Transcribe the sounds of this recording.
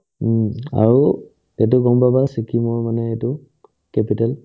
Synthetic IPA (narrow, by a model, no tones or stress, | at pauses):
ma̰ɹu | tet̬ʊɡɔmbabasikʰimɔjmanɛetʊ | kɛpitɛl